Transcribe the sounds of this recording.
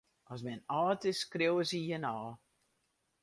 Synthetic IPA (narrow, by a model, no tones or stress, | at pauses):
ɔs̬mɛnɑːtəskrewəsijənɔː